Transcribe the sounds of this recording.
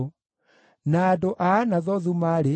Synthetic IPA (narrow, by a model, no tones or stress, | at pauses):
naːdoʔaːnaðɔðumaɾe